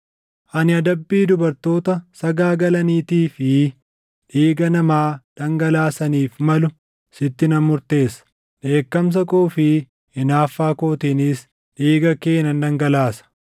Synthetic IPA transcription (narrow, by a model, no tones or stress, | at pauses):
ʔɐnɪɐd̪ɐbːiːd̪ʊbɐɾt̪o̞ːt̪ɐsɐɡaːɡɐlɐniːt̪iːfɪ | ᶑiːɡɐnɐmaːᶑ̪ɐŋɡɐlaːsɐniːfmɐlʊ | sɪt̪ːɪnɐmʊɾt̪e̞ːsɐ̥ | ᶑe̞ːkːɐms̬ɐkʼoːfɪ | ɪnaːfːaːkoːt̪inɪs | ᶑiːɡɐke̞ːnɐnᶑ̪ɐŋɡɐlaːsɐ̥